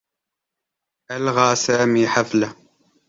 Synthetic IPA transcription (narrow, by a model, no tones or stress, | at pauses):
ælʁaʕsæmiħaflæ